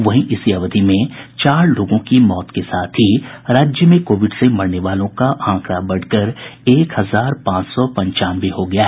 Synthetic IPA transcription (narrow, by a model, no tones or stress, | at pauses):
ʋɐɦĩʔɪsiɐʋd̪ʱimẽt͡ʃaːɾloːɡõkimɔːt̪kesaːt̪ʰɦiɾaːd͡ʒjəmẽkoːʋɪɖsemɐɾneʋaːlõkaʔãːkɾabɐɽkəɾeːkhɐzaːɾpãːt͡ʃsɔpɐ̃ɲt͡ʃaːnbiɦoɡɐjaɦɛ